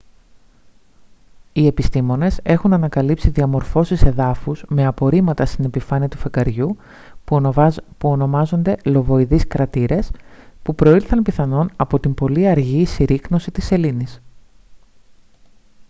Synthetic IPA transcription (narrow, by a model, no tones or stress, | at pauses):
ie̞pist̪imo̞ne̞se̞xunɐnɐkɐlipsiðiɐmo̞ɾfo̞sise̞ðɐfuz̥me̞ɐpo̞ɾimɐt̪ɐst̪ine̞pifɐniɐt̪ufekɐɾʝu | puo̞no̞mɐzo̞nd̪e̞lo̞vo̞iðiskɾɐt̪iɾe̞spupɾo̞ilθɐnpiθɐno̞nɐpo̞t̪imbo̞liɐɾʝisiɾikno̞sit̪ise̞linis